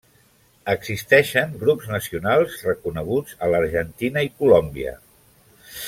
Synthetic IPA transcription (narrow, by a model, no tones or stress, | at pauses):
əɡzist̪ɛʃəŋɡɾupznəsiunalˠzrəkunəɣ̞ud͡zələɾʒənt̪inəikulɔmbiə̰